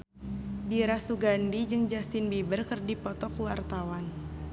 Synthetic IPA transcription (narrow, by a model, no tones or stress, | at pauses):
diɾasuɡandid͡ʒɨŋd͡ʒast̪ɪnbibərkərdipɔt̪ɔkuwart̪awan